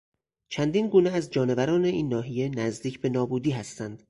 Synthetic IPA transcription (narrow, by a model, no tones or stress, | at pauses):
t͡ʃʰænd̪iːnɡuːneæzd͡ʒɒːne̞væɾɒːne̞iːnːɒːɦije̞næzd̪iːcʰbe̞nɒːbuːd̪iːɦæst̪ænd̪̥